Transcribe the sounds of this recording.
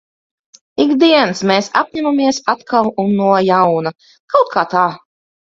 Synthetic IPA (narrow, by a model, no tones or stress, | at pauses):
iɡd̪iɛnsmeːsa̰p̚ɲæmamiɛsat̪kʰalˠunːuɔjawna | kawt̪̚kʰaːt̪aː